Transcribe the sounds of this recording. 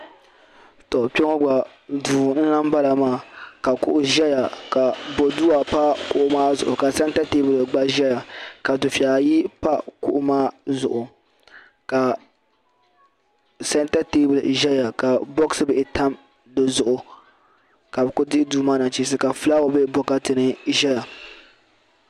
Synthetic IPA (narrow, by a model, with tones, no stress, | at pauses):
tɔ˨pɛ˦ŋo˦ɡ͡ba˨ | duː˨n̩˦na˦m˦ba˦la˨maː˦˨ka˨kʊ̰˦ʔʊ˦ʒɛ˦ja˨ka˨bo˨duː˦a˨pa˦kʊ˦˨ʔʊ˦maː˦zʊ̰˨ʔʊ˨ka˨sɛ˦n˦ta˦te˦bɨ˨lɡ͡ba˦ʒɛ˦ja˨ka˨dʊ˨fa˨ji˦pa˦kʊ̰˦ʔʊ˦maː˦zʊ̰˨ʔʊ˨ | ka˨ | sɛ˦n˦ta˦te˦bʊ˨lʒɛ˦ja˨ka˨bɔ˦ksɨ˦bɛ˨ʔɪ˨ta˦m | dɨ˦zʊ˨ʔʊ˨ | ka˨bɛ˨kʊ˦dɪ˦duː˦maː˦na˨t͡ʃi˦s̬ɨ˦ka˨fla˦o˨bɛ˦bɔ˦ka˦tɨ˨nɨ˦ʒɛ˦ja˨